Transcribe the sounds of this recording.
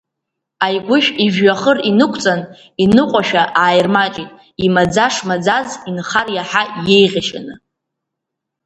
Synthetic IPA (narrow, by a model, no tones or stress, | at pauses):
ajɡʷʊʃᶣiʒᶣɥaχərinɨkʷʰt͡sʼan | inɨqʷʼaʃᶣaʔaːjrmat͡ʃʼitʼ | imad͡zaʂmad͡zazinχarjaħaje̞jʁʲaʃa̰nɨ